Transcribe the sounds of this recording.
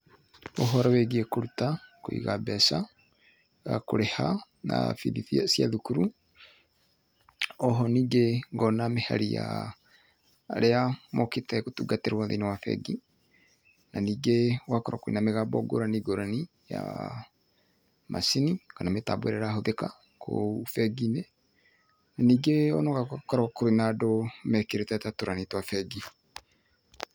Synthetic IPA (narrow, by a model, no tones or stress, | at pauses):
oɦɔɾaweɡiekoɾutakoḭɣabɛsa | ɣako̰ɾeha | na̰fḭðiθiasja̰ðukuɾu | ɔɦɔniːɡeŋɡɔnameha̰ɾija̰ | ɾeamoketakotuɡateɾwaðḛnewafɛ̰ɡi | naniːɡewakɔɾakoɾḭnameɣabɔɡo̰ɾaniɡoɾani | ja̰ | mʔa̰sinikanameta̰bwḛɾɛɾaɦoðeka | kʰo̰ufɛɡine | naniːɡeɔnɔkakɔɾakoɾenadomɛkeɾetatatoɾanitwafɛɡi